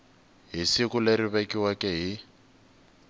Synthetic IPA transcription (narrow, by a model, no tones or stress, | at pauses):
ɦisikuleɾiβekiwakɛɦi